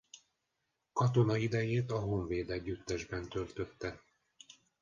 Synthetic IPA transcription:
kɒt̪o̞nɒid̪ɛjeːt̪ɒɦo̞ɱveːd̪ɛɟːyt̪ːɛʒbɛnt̪ø̞lt̪ø̞t̪ːɛ

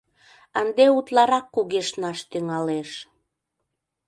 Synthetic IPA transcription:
ənd̪eut̪lɑɾɑkːuɣeʃnɑʃt̪yŋɑleʃ

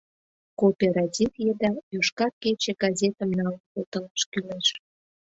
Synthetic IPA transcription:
kopʲeɾɑtʲifjed̪ɑjoʃkɑrket͡ɕeɡɑzʲet̪ə̆mnɑlkot̪ələʃkyleʃ

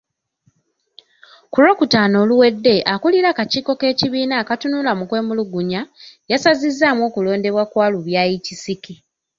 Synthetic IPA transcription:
kulo̞ːkutaːno̞ːluwe̞dːe̞ʔakuliɾakaciːko̞ke̞ːciβiːnaːkatunulamukwe̞ːmuluɡuɲajasazizːamwo̞ːkulo̞ːnde̞βwakwaːluβjaːjicisiki

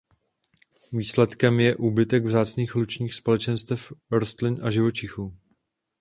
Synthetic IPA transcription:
viːslɛt̪kɛmjɛʔuːbɪt̪ɛɡvzaːt͡sniːxlut͡ʃɲiːxspo̞lɛt͡ʃɛnst̪ɛfɾost̪lɪnʔaʒɪvo̞t͡ʃɪxuː

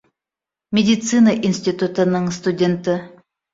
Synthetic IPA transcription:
mʲɪdʲɪt̪sɨnəʔinsʲtʲɪt̪ut̪ənɤŋst̪ʊdʲent̪ə

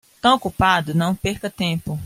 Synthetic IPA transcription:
t̪ɐ̃okupad̪ʊnɐ̃w̃peɾkɐt̪ẽpʊ

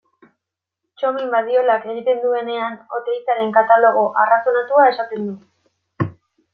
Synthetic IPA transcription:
t͡ʃomimbaðio̞lake̞ɣ̞it̪e̞nd̪ue̞ne̞ano̞t̪eit͡sale̞ŋkat̪alo̞ɣ̞o̞ʔarasonat̪uae̞sat̪e̞nd̪u

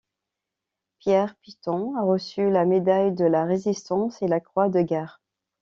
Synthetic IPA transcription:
pjɛʁpit̪ɔ̃aʁəsylamed̪ajd̪əlaʁezist̪ɑ̃selakχwad̪əɡɛʁ

